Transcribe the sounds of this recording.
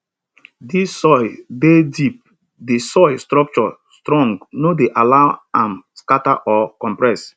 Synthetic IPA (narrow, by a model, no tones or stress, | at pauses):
disɔɪbedip̚ | disɔɪstɾɔk̚t͡ʃɔstɾɔ̃ŋɡnodeʔalaʊãmskataʔɔkɔ̃mpɹɛs